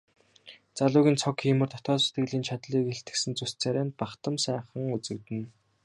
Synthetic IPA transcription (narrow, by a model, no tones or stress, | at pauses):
t͡saɮʊːɣʲiːnt͡sʰɔkʰimɘ̆rt̪ʰɔt̪ɔːse̥t̪ɡɘ̆ɮiːnt͡ɕʰat̪ɮiːkeɬt̪ɘ̆ksɘ̆nt͡sust͡sæɾæːn̚paχt̪ə̆msæːχə̆ŋut͡sɘ̆kt̪ɘ̆n